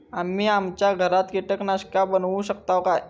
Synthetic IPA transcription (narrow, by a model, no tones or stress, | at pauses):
amːiːamt͡ɕjaɡʱəɾat̪kiʈəknaɕkabənʋũɕəkt̪awkaj